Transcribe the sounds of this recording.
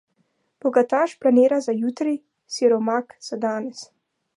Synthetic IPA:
b̥ɔɡat̪aːʃplaneːɾazajuːt̪ɾi | siɾɔmakz̥ad̪aːnɛs

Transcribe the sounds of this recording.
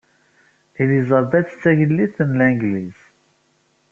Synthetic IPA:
ilizˤəɾˤd̪æt͡sːə̥t͡sːæʝəlːiθənlæŋɡliz̥

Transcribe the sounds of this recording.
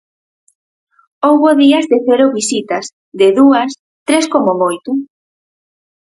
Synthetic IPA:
owβoðiɐzðeθeɾʊβisit̪ɐs | ðɪðuɐs | t̪ɾeskomomojt̪ʊ

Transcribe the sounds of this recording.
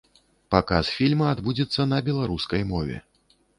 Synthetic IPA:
pakasfʲilʲmɐad̪bud͡zʲɛt̪sːɐnɐbʲɛlˠaɾuskɐjmɔvʲɛ̰

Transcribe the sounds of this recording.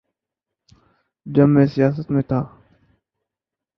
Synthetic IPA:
d͡ʒəmːẽːsɪjaːs̬ət̪mẽːt̪ʰaː

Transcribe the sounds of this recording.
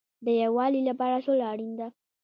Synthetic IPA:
d̪əjawɑlilapɑɾaʂolaːɽind̪a

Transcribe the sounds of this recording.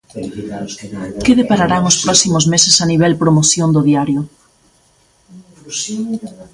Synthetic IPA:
keðepaɾaɾaŋʊspɾɔsimʊzmesesaniβ̞ɛlpɾomoθjond̪oðiaɾjʊ

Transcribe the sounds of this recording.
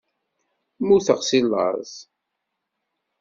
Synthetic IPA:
muθəʁsilːə̰z

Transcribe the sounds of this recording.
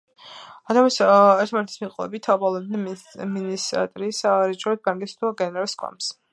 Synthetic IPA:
at̪ʰamisɛɾt̪ʰmaɾt̪ʰismiqʼwɛ̰bit̪ʰːabalˠɔd̪nminisa̰t̪ʼɾisaaɾit͡ʃʼɔɛt̪̚baŋkʼist̪ʰuɡɛnɛɾalˠskʼɔ̰ms

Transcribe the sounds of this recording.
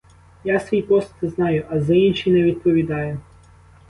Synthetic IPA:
jasʋʲipɔst̪ɪznɑjʊʔɐzainʲʃijnɛʋʲid̪̚pɔʋʲid̪ɑjʊ

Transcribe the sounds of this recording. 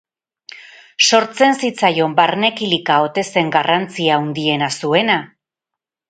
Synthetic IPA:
so̞ɾt͡se̞nsit͡sajo̞mbaɾne̞kilikao̞t̪e̞se̞ŋɡarant͡siaund̪ie̞nasue̞na

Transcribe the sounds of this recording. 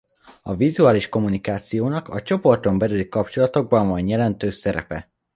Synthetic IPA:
ɒvizuaːliʃko̞munikaːt̪sijoːnɒkɒt͡ʃo̞po̞rt̪o̞mbɛɾylikɒp̚t͡ʃo̞lɒt̪o̞ɡ̚bɒɱvɒɲjɛlɛnt̪øːsɛɾɛ̰pɛ

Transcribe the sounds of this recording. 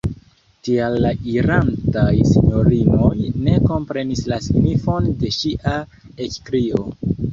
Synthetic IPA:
tialːaiɾantajsiɲo̞ɾimo̞jne̞ko̞mpɾe̞nislasnifo̞nde̞ʃiʔa | ekkɾio̞

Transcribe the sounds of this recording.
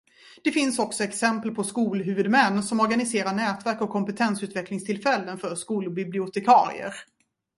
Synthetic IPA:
d̪̥ɛfɪnsɔksɔɛksɛmpəlpʰɔskuːlɦʉ̟ːvɵd̪mɛnːsɔmɔɾɡanɪseːɾaɳɛːt̪væɾkɔkʰːɔmpɛt̪ʰɛnsʉ̟ːt̪vɛklɪŋst̪ʰɪlfɛlːənfœɾʂkuːlbɪblɪʊt̪ʰɛkʰɑ̰ːɾɪ̰ə̰ɾ

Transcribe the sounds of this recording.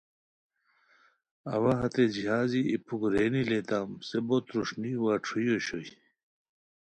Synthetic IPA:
ɐ̰waɦɐt̪ed͡ʑiɦaːziipʰukɾeːnilet̪aːmsebot̪ɾuʂniwaːʈ͡ʂʰujoɕoi

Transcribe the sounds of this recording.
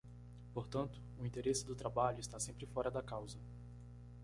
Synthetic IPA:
poɾt̪ɐ̃nt̪ʊ̥ʊĩt̪eɾesɪd̪ʊt̪ɾabaʎʊɪst̪asẽmpɾɪfɔɾɐd̪ɐkawzɐ

